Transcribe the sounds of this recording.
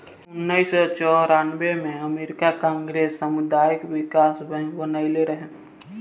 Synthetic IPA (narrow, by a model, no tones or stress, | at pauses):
ʊnːəɪsɔt͡ʃɔɾaːnbemẽəmeːɾɪkakãːŋɡɾeːsːəmʊd̪aːjəkwɪkaːsbə̃bənaɪleɾəɦẽ